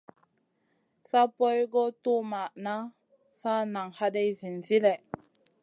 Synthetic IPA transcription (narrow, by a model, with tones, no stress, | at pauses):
sa˦po˦jɡo˦tu˦ma˨ʔna˦ | sa˦na˨ŋha˦de˦jzi˨nzi˦le˨